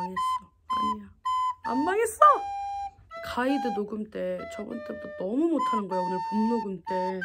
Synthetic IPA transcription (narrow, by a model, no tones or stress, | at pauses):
ɲies͈ʌ | aɲiaa̰mːaɡes͈ʌ | kaidɯnoɡɯmt͈e̞t͡ɕʌbɯ̰nt͈etonʌmumotʰanɯnɡʌeunɯpunnoɡɯmt͈e̞